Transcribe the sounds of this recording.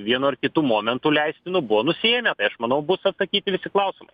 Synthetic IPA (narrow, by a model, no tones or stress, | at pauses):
ʋʲiɛnuɐɾkʲɪt̪uːmoːmʲɛnt̪uːlʲɛɪsʲt̪ʲɪnʊbʊʋoːnʊsʲeːmʲɛt̪ɐɪɐʃmɐnɐʊbʊsɐt̪sɐkʲiːt̪ʲɪʋʲɪsʲɪklˠɐʊsʲɪmɐɪ